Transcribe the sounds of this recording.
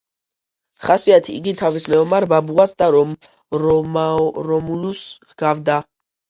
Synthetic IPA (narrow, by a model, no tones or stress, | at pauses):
χasiat̪ʰiḭɡit̪ʰavismɛɔmaɾbabuasd̪aɾɔm | ɾɔmɾɔmulus | ɡ̥avd̪a